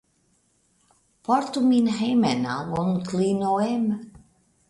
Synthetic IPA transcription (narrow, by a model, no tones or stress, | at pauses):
pɔɾt̪uminɦejmɛna̰wɔnkʰlinoem